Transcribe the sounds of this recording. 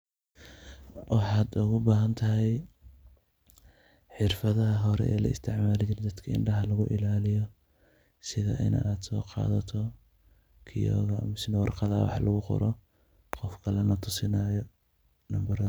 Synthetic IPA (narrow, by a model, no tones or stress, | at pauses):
wɑħɑːd̪ʊɣʊbaːɦɐnt̪ʰɐɦɛj | ħɪrfɐðɐɦɐɦɔɾɛ̰ɛ̰ːlɐ̰ɪ̰st̪ʰɪʕmaːlɪt͡ʃʰɪɾɛd̪ɐd̪kʰɐɪ̰ɳɖɐɦɐlɐɣʊʔɪlaːlɪjɔ | sɪðɐ̰ʔɪ̰nɐ̰ʔaːd̪sɔ̰ːqɑ̰ːðɐt̪ʰɔ | kʰɪjɔ̰ːɣɐ̰mɪsɪnɐwɑrqɑða̰ːwɑ̰ħɑlʔɐɣʊqɔ̰ɾɔ | qɔfkʰɐlɛnɐt̪ʰʊsɪnaːjɔ | nɐmbɐɾɐ